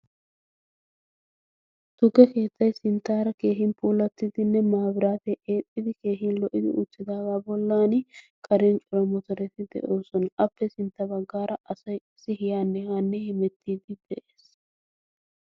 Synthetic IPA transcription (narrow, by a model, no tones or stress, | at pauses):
t̪ʊɡːɛke̞ːt̪ːɐjsɪnt̪ːaːɾɐke̞ːɦɪnpʰuːlɐt̪ːɪd̪ɪnːɛmaːbɪɾaːt̪ɛʔeːpʼːɪd̪ɪke̞ːɦɪnlɔʔɪd̪ɪ̰ʔʊ̰t͡sːɪd̪aːɡaːbɔlːaːnɪ | kʼɐɾɛnt͡ʃʼʊɾɐmɔt̪ɔɾɛt̪ɪd̪ɛ̰ʔo̞ːsɔnɐʔɐpːɛsɪnt̪ːɐbɐɡːaːɾʔɐʔɐsɐjɪsɪɦɪjaːnːɛhaːnːɛhɪmɛt̪ʰːiːd̪ɪd̪̥ɛʔeːs